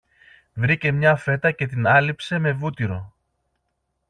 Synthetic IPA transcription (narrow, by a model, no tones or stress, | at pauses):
vɾice̞mɲɐfe̞t̪ɐce̞t̪inɐlipse̞me̞vut̪iɾo̞̰